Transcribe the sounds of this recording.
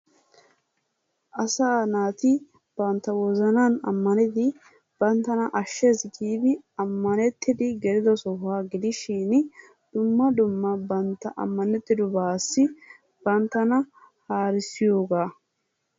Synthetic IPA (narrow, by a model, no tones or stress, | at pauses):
ʔɐsaːnaːt̪ɪ | b̥ɐnt̪ːɐwɔzɐnanɐ̰mːɐnɪd̪ɪ | b̥ɐnt̪ːɐnɐʔɐʃːesɡiːbɪɐmːɐnɛt̪ːɪd̪ɪɡɛɾɪd̪ɔsɔhaːɡɪd̪ɪʃin | d̪̥ʊmːɐd̪ʊmːɐbɐnt̪ːɐʔɐ̰mːɐnɛt̪ːɪd̪ʊbaːsːɪ | b̥ɐnt̪ːɐnɐ | haːɾɪsɪjo̞ːɡaː